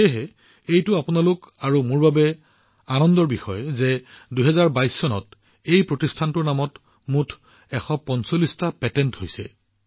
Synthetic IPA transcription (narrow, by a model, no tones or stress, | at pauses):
ɛɦɛ | ejtʊapʊnalʊkaɹumʊɹbabɛ | anɔndɔɹbixɔjzɛduɦɛzaɹbajsːɔnɔ̰t | ejpɹotistʰantʊɹnamɔt | mutʰ | ɛxɔpɔnsolistapɛtɛnthojsɛ̰